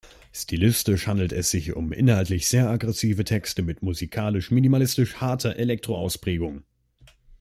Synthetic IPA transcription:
stʰilɪstɪʃhandl̩tɛsz̥ɪçʊ̰mʔɪ̰nhaltlɪçz̥eːɐʔaɡʁɛsiːvətʰɛkstəmɪtmuzikʰaːlɪʃminimalɪstɪʃhaɐtʰɐʔelɛk̚tʁ̥oaʊspʁ̥ɛːɡʊŋ

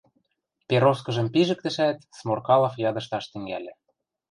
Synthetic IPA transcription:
peɾoskɤ̆ʒɤ̆mpiʒɘ̆k̚t̪ɘ̆ʃæt̪smorkɑlɑfjɑd̪ɤ̆ʃt̪ɑʃt̪ɘ̆ŋɡæ̰lʲĕ

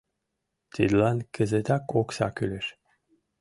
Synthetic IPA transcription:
t̪ʰid̪lɑnkʰɘ̆zet̪ɑkoksɑ̰kylɘʃ

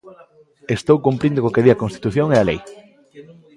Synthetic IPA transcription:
est̪owkumpɾind̪okokeðiɐkõnst̪i̥t̪uθjoŋealej

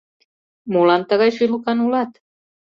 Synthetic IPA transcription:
molɑnt̪əɣɑjʃylukɑnulɑt̪

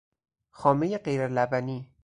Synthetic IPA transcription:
xɒːmejeɢejɾelæbæniː

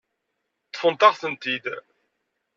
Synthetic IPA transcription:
t͡sːfənt̪ɑʁθənt̪id̪

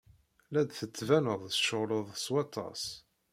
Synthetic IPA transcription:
læd̪θət͡sːvænəðˤʃəʁləðˤswɑt̪ʰːɑ̰s

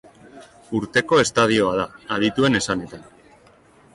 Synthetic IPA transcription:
uɾt̪e̞ko̞e̞st̪að̞io̞að̞aaðit̪ue̞ne̞sane̞t̪an

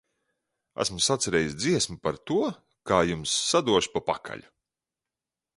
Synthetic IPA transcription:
æ̰smʊsat̪sɛɾɛːjisʲd̪ziɛsmupaɾt̪uɔ | kaːjumsːad̪uɔʃpapakʰa̰ʎʲu

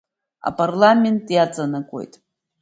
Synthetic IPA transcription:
a̰pʼarlamʲe̞ntʼjat͡sʼanakʷʼo̞̰jtʼ

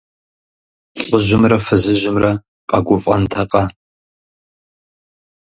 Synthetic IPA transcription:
ʊʒɪmrɐfɨzɨʒɪmrɐ | qʼɐɡʷʊfʼɐntʰɐqʼɑ

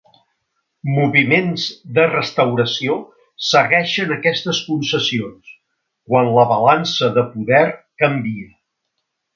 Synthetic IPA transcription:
muβimenzd̪ərəst̪əwɾəsio | səɣɛʃənəkɛst̪əskunsəsions | kwanləβəlansəðəpuðɛrkəmbiə

